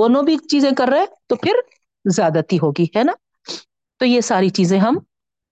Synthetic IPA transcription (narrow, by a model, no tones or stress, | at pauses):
oːnõbʱit͡ʃiːzẽkɐɾːeɦẽt̪opʰɪɾ | zjaːd̪at̪iɦoːɡihɛːna | t̪ojesaːɾit͡ʃiːzẽɦɐm